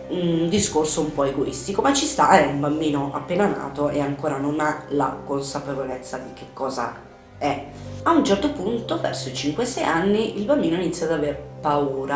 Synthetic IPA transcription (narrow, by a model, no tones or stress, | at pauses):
ud̪iskorsoumpɔeɡoḭst̪ikomat͡ʃːist̪aɛumbambiːnoʔa̰pːeːnana̰ːt̪oeaŋkoːɾanonala̰konsapevolet̪sːad̪ikekːɔːza̰ | ɛ | aunt͡ʃɛrt̪opunt̪ovɛ̰rsoit͡ʃiŋkwesɛjanːiilbambiːnoinit̪sːjad̪aveɾpauːɾa